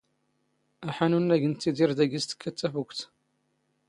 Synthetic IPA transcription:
æħanunːæʝənt̪ːiðiɾd̪æɡist̪ə̥kːæt͡s̪ːæfukʷt̪

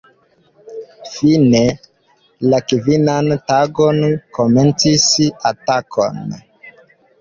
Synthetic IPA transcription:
fine̞ | lakivinantaɡonkoment͡sisatakʰo̰n

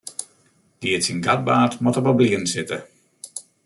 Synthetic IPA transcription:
d̥iətsinɡat̚baːtmɔtəbabliənsɪtə

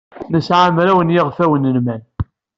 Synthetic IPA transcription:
nəsʕamɾæwənjɪʁfæwənːəlmæn

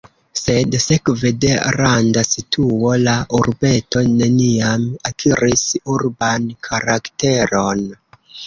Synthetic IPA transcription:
se̞dse̞kvede̞ɾandasitʰuo̞laʔuɾbe̞to̞ne̞niamakʰiɾisuɾbankʰaɾakte̞ɾo̞n

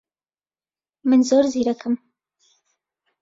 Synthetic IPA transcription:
mɨnzoːɾziːɾɐkɨm

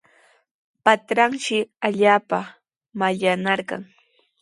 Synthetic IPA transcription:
pat̪ɾaŋʃɪaʎaːpa | maʎanaɾɢɑ̰ŋ

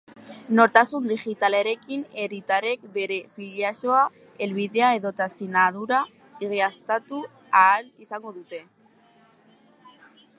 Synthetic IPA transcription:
no̞ɾt̪asund̪iʝit̪aleɾe̞kine̞ɾit̪aɾe̞k̚be̞ɾe̞fiʎasoa | e̞lβiðe̞ae̞ðo̞t̪asinaðuɾa | iɣiast̪at̪u | aːlisaŋɡo̞ðut̪e̞

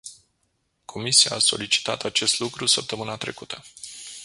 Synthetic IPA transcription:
kʰo̞misiaːso̞̰lit͡ʃi̥t̪at̪at͡ʃe̞st̪lukɾusəp̚t̪əmɨnat̪ɾe̞̰kut̪ʰə

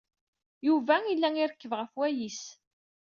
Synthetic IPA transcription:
juvæilːæŋiɾəkːəvʁəfwæjis

